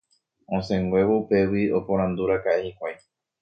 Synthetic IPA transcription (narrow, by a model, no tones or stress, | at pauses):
õsẽŋɡwʷe̞ʋoupe̞wio̞põ̞ɾãnd̪uɾakaʔehikʷaj